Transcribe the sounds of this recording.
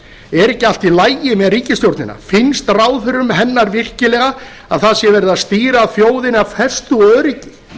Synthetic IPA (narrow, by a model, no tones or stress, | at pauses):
ɛɾɛcːɪal̥t̪ilaːjjɪmɛðriːcɪst̪jowɾt̪nɪnːa̰fɪnst̪raːwðfœɾʏmɦɛnːaɾvɪr̥cɪlɛɣa | aðθaðsjɛvɛɾðaðst̪iːɾaːðθjoːwðɪnaðfɛst̪ʏœːðɾicɪ̥